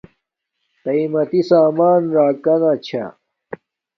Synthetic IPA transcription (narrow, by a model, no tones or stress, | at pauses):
t̪ɐimɐt̪isaːmaːnɾaːkɐnat͡ɕʰa̰